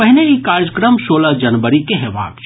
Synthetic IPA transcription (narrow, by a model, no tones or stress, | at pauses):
əɦneikaːɾd͡ʒkɾəmʃoːlad͡ʒɐnʋəɾikeɦeʋa̰ːɡ